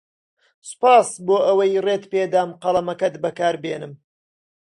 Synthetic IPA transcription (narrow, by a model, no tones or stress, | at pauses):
sʊ̥paːsboːʔɐwɐjreːt̪peːd̪aːmqɐlˠɐmɐkɐt̪bɐkaːɾbeːnɨm